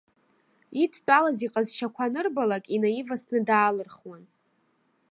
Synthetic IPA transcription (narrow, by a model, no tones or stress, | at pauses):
itʰt͡pʼalaziqʼazʃakʷʰanɨrbalakʼinajivasnɨdaːlɨrχwan